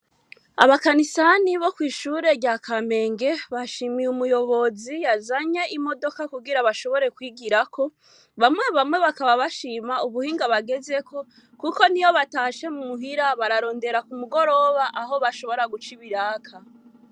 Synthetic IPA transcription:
a̰βakanisaniβo̞kwiːʃuɾe̞ɟaːkame̞ːŋɡe̞βaʃiːmijumujo̞βo̞zijazaɲe̞ʔimo̞do̞kakuɡiɾaβaʃo̞βo̞ɾe̞kwiːɡiɾakʰo̞ | βamŋwe̞βamŋe̞βakaβaβaʃiːmauβuhiːŋɡaβaɡe̞ze̞kʰo̞ | kuko̞nijo̞βataʃe̞mumuɦiɾaβaɾaɾo̞ːnde̞ɾakumuɡo̞ɾo̞βaʔaɦo̞βaʃo̞βo̞ɾaɡut͡ʃiβiɾaːkʰa

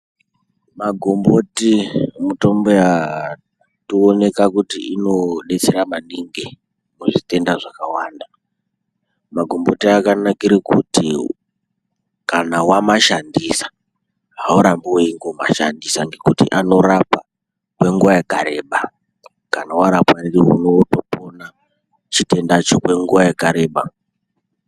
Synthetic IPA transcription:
maɡʱombo̞timuto̞mbeja | tione̞kakutiʔino̞ɗe̞t͡seɾamaniŋɡe | muʐite̞ndaʐakawaːnda | maɡʱo̞mbo̞tiakanakiɾikṵti | kanawamaʃandisḁ | ɦauɾambooiŋɡoma̰ʃandisaŋɡe̞kutḭʔano̞ɾapa | kwe̞ŋɡuʋajaɡʱaɾe̞ɓa | kanawaɾapwaririɦṵnoto̞pona | t͡ʃite̞ndat͡ʃokwe̞ŋɡuʋajeɡʱaɾe̞ːɓa

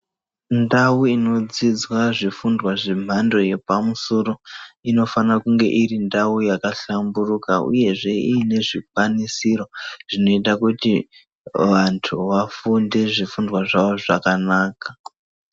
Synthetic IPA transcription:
ndawuino̞d͡zid͡zwaʐifundwaʐem̤ando̞je̞pamusoro̞ino̞fanakuŋɡe̞̰ʔirindaujakaɬamburukaṵje̞ʐe̞iːne̞ʐikwanisiro̞ʐ̥ino̞itakuti | ʋantʰṵʋafundeʐifundwaʐaʋo̞ʐa̰kanaːka

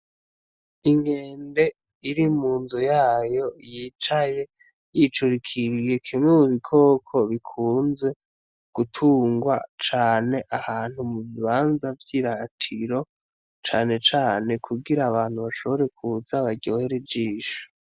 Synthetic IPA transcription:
iŋɡe̞ːnde̞ | iɾimuːnzujaːjo̞jit͡ʃaje̞ | jit͡ʃuɾikʰiɾije̞kʰimŋemuβikʰo̞ːkʰo̞βikʰuːnze̞ | ɡ̥utʰuːŋɡwa̰t͡ʃaːne̞ʔahaːn̥humuβiβaːnzavjiːɾatʰiɾo̞ | t͡ʃaːne̞t͡ʃaːne̞kʰuɡiɾaːβaːn̥huβaʃo̞βo̞ɾe̞kʰud͡zaβaɟoːheɾed͡ʒiːʃu̥

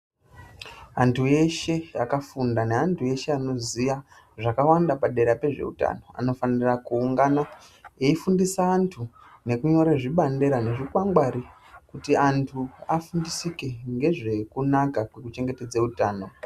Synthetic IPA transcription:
antʰuje̞ʃe̞jakafundaneantʰuje̞ʃe̞ano̞zija | ʐakawandapaɗe̞ɾape̞ʐe̞̰ṵta̰no̞a̰no̞fanirakuːŋɡana | eifundisaːntʰu | ne̞kuɲo̞ɾeʐiɓande̞ɾane̞ʐikwaŋɡwaɾi | kutiantʰuafundisikeŋɡe̞ʐe̞kunakakwe̞kut͡ʃe̞ŋɡe̞te̞d͡zeutaːno̞

